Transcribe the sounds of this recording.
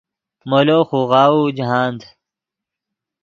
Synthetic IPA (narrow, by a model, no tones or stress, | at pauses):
moloxuɣaːud͡ʑɦaːnd̪